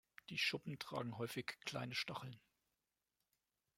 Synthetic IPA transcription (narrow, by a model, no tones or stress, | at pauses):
d̥iːʃʊpm̩tʁ̥a̰ːɡŋ̩ɦɔʏfɪçkʰl̥a̰ɪnəʃtaχl̩n